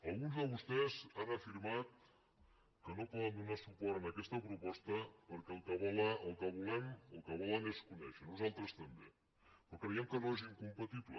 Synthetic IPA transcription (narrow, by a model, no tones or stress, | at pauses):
ɐlˠɣunzðəβust̪ɛzanəfiɾmat̪̚ | kənopɔðənd̪unasupɔɾənəkɛst̪əpɾupɔst̪əpəɾkɛlˠkəβɔləlˠkəβulɛmo̰lˠkəβɔləneskunɛ̰ʃənuzalˠt̪ɾəst̪ɐmbe | okɾəjɛmkənoeziŋkumpat̪iβlə̰